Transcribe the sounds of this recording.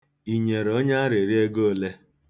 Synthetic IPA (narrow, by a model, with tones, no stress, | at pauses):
i˨ɲe˨ɾɔ˦ɲa˦a˦ɾe˨ɾi˦e˦ɡo˦˨le˦